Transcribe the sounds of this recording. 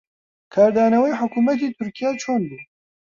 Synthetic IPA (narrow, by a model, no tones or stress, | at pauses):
kʰaːɾd̪aːnɐwɛjħʊkuːmɐt̪̬iːt̪ʰʊɾkijaːt͡ʃʰoːnbu